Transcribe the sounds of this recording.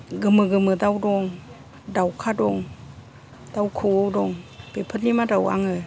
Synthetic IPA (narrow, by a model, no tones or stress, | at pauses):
ɡɯmɯɡɯmɯdawdɔŋ | dawkʰadɔŋ | d̥awkʰɯwowdɔŋb̥epʰətlimadawa̰ŋɯ